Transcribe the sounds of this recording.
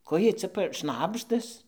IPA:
ˈkoː ˈjiɛj t͡sʲɛ p ˈʃnɑːbʒdɐs

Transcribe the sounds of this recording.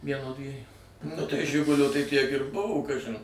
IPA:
ˈʋʲiɛnoː ˈdʲʋʲiɛjuː nʊ tɐɪ ˈʒʲɪɡʊlʲoː tɐɪ ˈtʲiɛk ɪr ˈbʊʋoː ˈkɑːʒʲɪn

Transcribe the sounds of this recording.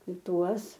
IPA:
ˈtuɔs

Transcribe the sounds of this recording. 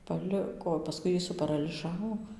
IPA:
pɐˈlʲɪkoː pɐˈskʊɪ ˈjiː sʊpɐrɐlʲɪˈʒɑːʋoː

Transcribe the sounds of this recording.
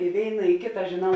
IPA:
ɪ ˈʋʲeːɪnɐ ɪ ˈkʲeːtɐ ʒʲeːˈnɐʊ

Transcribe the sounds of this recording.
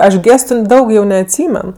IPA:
ˈɐʃ ˈɡʲeːstʊ ˈdɐʊk jɛʊ nʲɛɐtʲˈsʲiːmʲɛn

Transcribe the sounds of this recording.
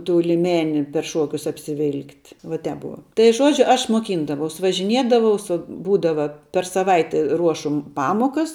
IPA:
tuː lʲɪˈmʲæːnʲɪ pʲɛr ˈʃuɔkʲʊs ɐpʲsʲɪˈʋʲɪlˠktʲ ʋɐ ˈtʲɛp ˈbʊʋɐ tɐɪ ˈʒuɔd͡ʒʲʊ ˈɐʃ muɔˈkʲiːndɐʋɐʊs ʋɐʒʲɪˈnʲiɛdɐʋɐʊ sʊ ˈbuːdɐʋɐ pʲɛr sɐˈʋɐɪtʲɛ ˈruɔʃʊ m ˈpɑːmoːkɐs

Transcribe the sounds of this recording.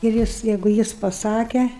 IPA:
ɪr ˈjɪs ˈjɛɪɡʊ ˈjɪs pɐˈsɑːkʲɛ

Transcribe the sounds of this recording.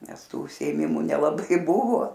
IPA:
ˈnʲɛs ˈtuː ʊʃʲsʲɪeːˈmʲɪmʊ nʲɛlˠɐˈbɐɪ ˈbʊʋoː

